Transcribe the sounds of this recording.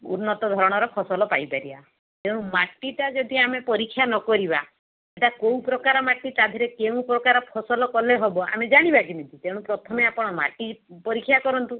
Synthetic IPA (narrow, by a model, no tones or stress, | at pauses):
ṵnːɔt̪ɔd̪ʱɔɾɔɽ̃ɔɾɔpʰɔsɔlɔpajpaɾia̰ | t̪ewɽ̃ũmaʈːiʈad͡ʒɔd̪ʱiamepɔɾikʰːjanɔkɔɾiba | eʈakoũpɾɔkaɾɔmaʈit̪ad̪ʱiɾekeũpɾɔkaɾɔpʰɔsɔlɔkɔleɦɔbɔa̰med͡ʒaɽ̃ibakimint̪it̪ewɽ̃upɾɔt̪ʰɔmeapɔɽ̃ɔma̰ʈipɔɾikʰːjakɔɾɔnt̪u